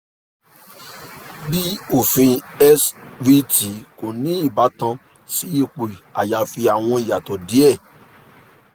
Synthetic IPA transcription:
bi˦o˦˨fĩ˧ɛ˦svi˧ti˨ko˨nĩ˨˦i˦˨ba˨˦tã˧ | si˨˦e˦˨k͡pe˨a̰˨ja˨˧fi˧a˨w̃ɔ̃˧i˨ja˨tɔ˨di˨˦ɛ˦˨

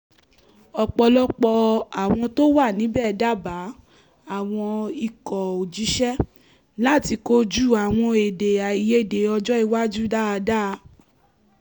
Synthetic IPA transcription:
ɔ˧k͡pɔ˧lɔ˦k͡pɔ˧a˨w̃ɔ̃˧to˦wa˦˨nĩ˨˦bɛ˦˨da˦ba˨˦ | a˦˨w̃ɔ̃˧i˨kɔ˨o˨d͡ʒi˨˦ʃɛ˦ | la˦˨ti˧ko˦d͡ʒu˦˨a˨w̃ɔ̃˧e˨de˨a˨i˨je˦˨de˨˦ɔ˧d͡ʒɔ˦i˧wa˦d͡ʒu˦da˦a˧da˦˧

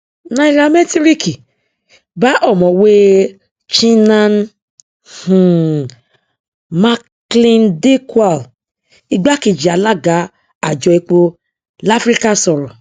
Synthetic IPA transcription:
nã˧˦i˧ɾa˧mɛ˦ti˦ɾi˦ki˨ | ba˨˦ʔɔ˦˨mɔ̃˨we˦ | t͡ʃĩ˦nã˦˧n˦ | hũ˨ | ma˦kklĩ˦nde˦kwa˨l | i˧ɡ͡ba˦ki˧˨d͡ʒi˨a˨˦la˦ɡa˨˦ | a˨d͡ʒɔ˧i˧k͡po˧ | la˦fɾi˦ka˦sɔ˨ɾɔ̃˨

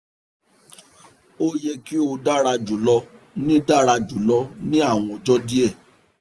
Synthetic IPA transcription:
o˦je˦ki˦o˧da˦ɾa˧d͡ʒu˨˦lɔ˧ | nĩ˦da˦ɾa˧d͡ʒu˨˦lɔ˧˦nĩ˦a˦˨w̃ɔ̃˧˨d͡ʒɔ˦di˦ɛ˦˨

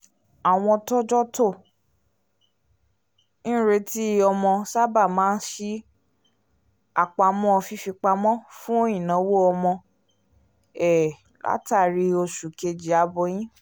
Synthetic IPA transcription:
a˨w̃ɔ̃˧tɔ˦d͡ʒɔ˦to˦˨ | nĩ˦ɾe˧˦ti˦ɔ˧mɔ̃˧sa˦ba˦˨mãː˦n̩˦ʃi˦ | a˦˨k͡pa˧mɔ̃˦ɔ˧fi˧fi˧k͡pa˧mɔ̃˦fũ˦o˦j̃ĩ˨nã˨˦wo˦ɔ˧mɔ̃˧ | ɛ˨ | lʔa̰˦ta˦˨ɾi˧o˧ʃu˨ke˧d͡ʒi˨a˧bɔ˧˦j̃ĩ˦

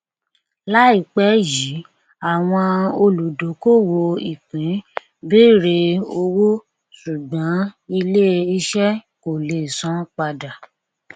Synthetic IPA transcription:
la˦i˦˨k͡pɛ˦ji˨˦ | a˨w̃ɔ̃˧o˧lu˨do˨˦ko˦˨wo˧i˨k͡pĩ˨˦ | be˦ɾe˧o˧wo˦ | su˨ɡ͡bɔ̃˨˦i˧le˦i˧ʃɛ˦ | ko˨le˨sɔ̃˨˦k͡pa˧da˨

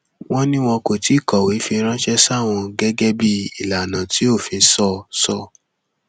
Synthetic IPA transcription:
w̃ʔɔ̃˦nĩ˦w̃ɔ̃˧ko˨ti˨˦i˦˨kɔ˨wi˨˦fi˧ɾ̃ã˦ʃɛ˦sa˦˨w̃ɔ̃˧ɡɛ˦ɡɛ˦bi˦i˨la˨nã˨ti˨˦o˦˨fĩ˧sɔ˦˧sɔ˧˨

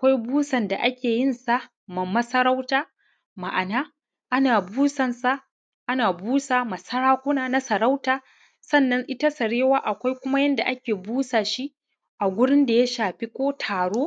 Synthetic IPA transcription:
ʔa˨kʷa˦jbuː˦sɐ˨nda˨ʔa˦kʲeː˨jɪ˦nsa˦ | ma˨mːɐ˦sɐ˦ɾa˦wtaː˦ | ma˨ʔa˨naː˦ | ʔa˦naː˨buː˦sɐ˨nsa˦ʔ | ʔa˦naː˨buː˦saː˨mɐ˨sɐ˦ɽaː˦kʷʊ˦naː˦na˦sɐ˨ɾa˦wtaː˦ | sɐ˦˨nːɐ˦ŋʔɪ˦ta˦sɐ˨ɽeː˦waː˦ʔa˨kʷa˦jkʷʊ˦ma˦jɐ˦nda˨ʔa˦kʲeː˨buː˦saː˨ʃi˦ | ʔa˨ɡʷʊ˦ɽɪ˦nda˨ja˦ʃaː˨ɸi˦kʷoː˦tʰaː˨ɽoː˦

